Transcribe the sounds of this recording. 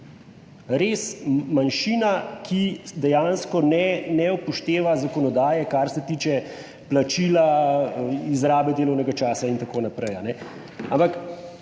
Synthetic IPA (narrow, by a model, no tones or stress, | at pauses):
ɾeːsmanʃiːnakʰid̪ɛjanskɔnɛnɛupɔʃt̪eːʋazakɔnɔd̪aːjɛkaɾsɛt̪iːt͡ʃɛ | plat͡ʃiːla | izɾaːbɛd̪eːlɔwnɛɡat͡ʃaːsaint̪akoːnapɾɛjanɛ | a̰mpak